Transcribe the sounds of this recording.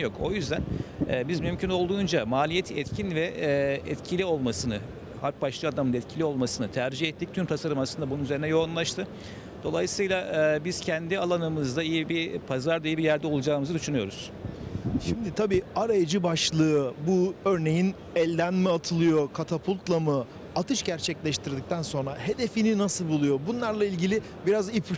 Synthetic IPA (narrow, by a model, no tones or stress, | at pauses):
jo̞kʰo̞̰jyzd̪ænɛːbizmymcʰynolˠd̪uːnd͡ʒamaːlʲijɛt̪ʰɛt̪cʰinvɛɛt̪cʰilʲio̞lˠmasɯnɯ | haɾk̚baʃlˠɯad̪amɯnd̪aɛt̪cʰilʲio̞lˠmasɯnɯt̪ʰæɾd͡ʒihɛt̪ːic̚t̪ʰymt̪ʰasaɾɯmaslˠɯnd̪abununyze̞ɾinɛjo̞unlˠaʃt̪ʰɯ | d̪o̞lˠajɯsɯjlˠaʔbiz̥cʰɛnd̪ialˠanɯmɯzd̪aijibiɾpʰazaɾd̪aijibijæɾd̪ɛo̞lˠud͡ʒaːɯmɯzɯd̪yʃynyjo̞ɾuz̥ | ʃimd̪it̪ʰabiːaɾajad͡ʒɯbaʃlˠɯɯbuøɾne̞jin | ɛlʲd̪ænmɛat̪ʰɯlˠɯjo̞kʰat̪ʰapʰulʲˠt̪lˠamɯ | at̪ʰɯʃɟæɾt͡ʃʰɛclʲɛʃt̪ʰiɾd̪ic̚t̪ʰænso̞nɾaɦe̞d̪e̞fininasɯlˠbulˠujo̞bunlˠaɾlˠailʲɟilʲɪ | biɾazipʰ